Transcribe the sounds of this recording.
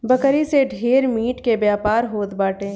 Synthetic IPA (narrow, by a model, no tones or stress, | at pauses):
bəkəɾiseɖʱeːɾmiːʈkebjaːpaːɾɦoːt̪baːʈẽː